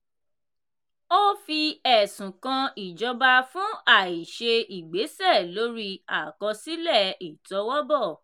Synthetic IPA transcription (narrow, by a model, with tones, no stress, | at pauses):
o˦fi˧ɛ˨sũ˨kã˧i˨d͡ʒɔ˧ba˧fũ˦a˦˨i˨ʃe˧i˨ɡ͡be˨˦sɛ˦˨lo˨˦ɾi˧a˨kɔ˧si˦lɛ˦˨i˨tɔ˨˧˦wɔ˦bɔ˦˨